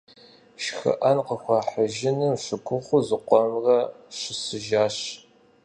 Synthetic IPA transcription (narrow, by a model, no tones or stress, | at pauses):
ʃxɐ̰ʔɐnqəxʷɑħəʒɪnɨmɕɨɡʷʰʊχʷʊzɨqʷɔmrɐɕɪsɨʒaːɕ